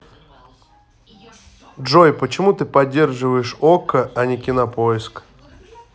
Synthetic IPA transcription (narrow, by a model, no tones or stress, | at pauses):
dʐojpət͡ɕɪmut̪ɨpɐdʲːe̞rʐɨvəjɪʂokəʔɐnʲɪkʲɪnɐpoɪsk